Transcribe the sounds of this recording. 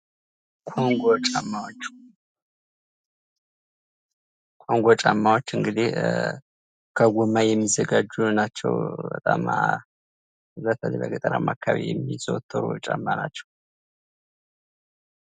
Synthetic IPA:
kʷʰʼoŋɡʷot͡ʃʼamːawot͡ʃː | kʼoŋɡʷot͡ʃʼamːawot͡ʃːɨŋɡɨd̪i | kʰəɡʷumːajɛmːizəɡad͡ʒunat͡ʃːɛ̰wbət̪ʼa̰ma | ɨzat̪ʰənibəɡət̪ʼənamakʰːaβejɛmːizot̪ʰːəɾut͡ʃʼamːanat͡ʃːɛw

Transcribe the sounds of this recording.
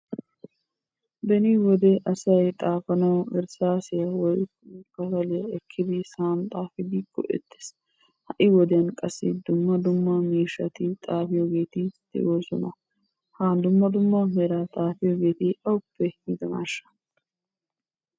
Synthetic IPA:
bɛnɪwɔd̪ɛʔɐsɐjt̪ʼaːfɐnɐwɛ̰ɾsaːsɪjɐwɔjkkɐfɐlɪjɐɛkʰːɪd̪ɪsaːnt̪ʼaːfɪd̪ikːɔ̰ʔɛ̰t̪ːe̥s | hɐʔɪwɔd̪ɛjɐnkʼɐsːɪd̪ʊmːɐd̪ʊmːɐmiːʃɐt̪ɪt̪ʼaːfɪjoɡe̞ːt̪ɪd̪̥ɛ̰joːsɔ̰nɐ | haːd̪ʊmːɐd̪ʊmːɐhɛɾɐt̪ʼaːfɪjoɡe̞ːt̪ɪʔɐwʊpːɛɪd̪ɐma̰ːʃːɐ̥

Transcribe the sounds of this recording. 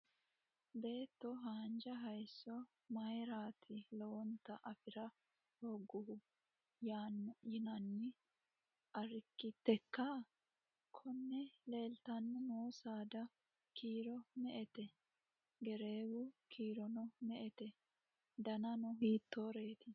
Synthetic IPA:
be̞ːt̪ːɔɦaːnd͡ʒɐɦɐjsːɔ | mɐjɾaːt̪ʰɪlɔwɔnt̪ɐʔɐfɪɾɐ | hɔɡːʊhʊ | jajɪnɐnːɪ | ʔɐɾɪkːɪt̪ːɛkːa | kʰɔnːɛle̞ːlt̪ɐnːʊnoːsaːd̪ɐ | kʰiːɾɔmɛʔɛt̪ɛ | ɡɛɾe̞ːwʊkʰiːɾɔnɔmɛʔɛt̪ɛ | d̪ɐnɐnɔɦiːt̪ːoːɾe̞ːt̪ɪ

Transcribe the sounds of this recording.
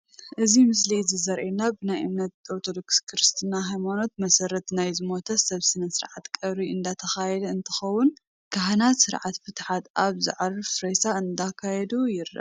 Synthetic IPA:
ʔɨzimɨs̬lizɨzɐɾʔenabɨnajʔɨ̰mnɐt̪̚oɾt̪ʰod̪o̞kskʰɨɾɨst̪ʰɨnaɦajmano̞t̪̚mɐsɐɾɐt̪najzɨmo̞t̪ʰɐsɐβsɨnɐsɨɾʕat̪kʼɐβɾiɨnd̪at̪ʰɐxajɛd̪ɐɨnt̪ʰɨ̥xɐwʊn | kʰaɦanatsɨɾʕat̪fɨt̪ħat̪ʔaβzɨ̰ʕaɾɨfɾɐjsaɨnd̪akʰajɛd̪ujɪɾːɐ̰

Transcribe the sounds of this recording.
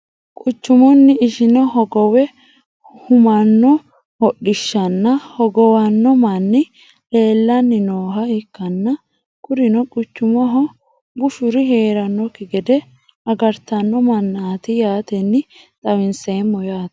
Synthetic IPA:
kʼʊt͡ʃːʊmɔnːɪɪʃɪnɔɦɔɡɔwɛ | hʊmɐnːɔ | hɔɗːɪʃːɐnːɐhɔɡɔwɐnːɔmɐnːɪ | le̞ːlːɐnːɪnoːɦɐɪkːɐnːɐ | kʊɾɪnɔkʼʊt͡ʃːʊmɔɦɔ | bʊʃʊɾɪɦeːɾɐnːɔkːɪɡɛd̪ɛ | ɐɡɐɾt̪ɐnːɔmɐnːaːt̪ɪjaːt̪ɛnːɪ | t̪ʼɐwɪnseːmːɔjaːt̪

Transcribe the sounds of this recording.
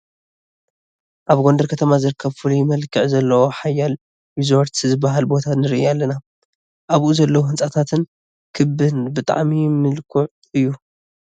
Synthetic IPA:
ʔaβɡo̞ndɐɾkʰɐt̪ʰɐmazɨɾɨkʰːɐβfulujɪmɐlkʰɨʕzɐlːɐwo̞ħajːal | jizoɾt̪izɨbːaɦalbo̞t̪ʰanɨɾɨʔialːɐna | ʔaβʔuzɐlːɐwohɨnt͡sʼat̪ʰat̪ʰɨn | kʰɨbɨnbɨt̪ʼa̰ʕmimɨlkʰuʕ | ɨjːu

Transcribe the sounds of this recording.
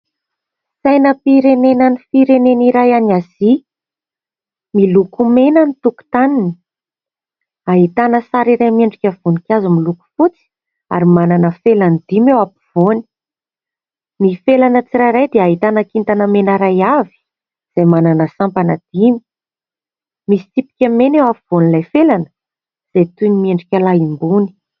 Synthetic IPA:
sajnəpiɾenenanifiɾeneniɾajanazi | milukumenənit̪uku̥t̪anini̥ | aɦit̪anəsaɾiɾajmeɳɖ͡ʐikʲəv̥unikʲazimiluku̥fut͡si̥ | a̰ɾimananəfelanid̪̥imewapiv̥oni̥ | nifelanət͡sirajɾajd̪eaɦit̪anakint̪anəmenəɾajavi̥ | z̥ajmananəsampanəd̪̥imi | misi̥t̪ipi̥kʲəmenewapiv̥onilajfelanə | z̥ejt̪unimieɳɖ͡ʐikʲalaimbuni̥

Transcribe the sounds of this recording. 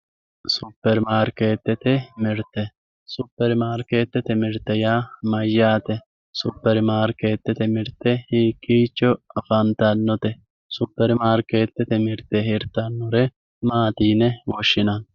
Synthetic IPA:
sʊpːɛɾmaːɾkeːt̪ːɛt̪ɛmɪɾt̪ːɛ | sʊpːɛɾmaːɾkeːt̪ːɛt̪ɛmɪɾt̪ːɛjaːmɐjːaːt̪ɛ | sʊpːɛɾmaːɾkeːt̪ːɛt̪ɛmɪɾt̪ːɛhiːkʼːiːt͡ʃːɔɐfɐnt̪ɐnːɔt̪ɛ | sʊpːɛɾmaːɾkeːt̪ːɛt̪ɛmɪɾt̪ɛɦɪɾt̪ːɐnːɔɾɛ | maːt̪iːnɛwɔʃːɪnɐn

